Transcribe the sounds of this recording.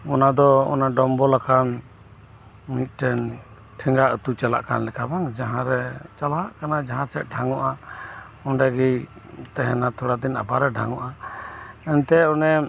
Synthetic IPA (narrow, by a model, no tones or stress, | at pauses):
ɔnad̪ɔɔ̰naɖɔmbɔlakʰan | mit̪̚ˀʈɛn | ʈʰɛŋɡaʔət̪ut͡ʃala̰ʔka̰nlɛkʰabaŋd͡ʒaɦãɾɛt͡ʃalaʔkanad͡ʒaɦãsɛt̪̚ɖʱaŋɔʔa | ɔɳɖɛɡijt̪ɛɦɛnat̪ʰɔɽad̪ina̰baɾɛɖʱaŋɔʔa | ɛnt̪ɛɔnɛ